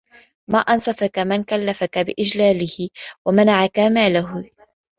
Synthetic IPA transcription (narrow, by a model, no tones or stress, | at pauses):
maːʔansɑfakamɪnkalːafakabɪʔɪd͡ʒlaːlɪhɪwamanaʕakamaːlaɦ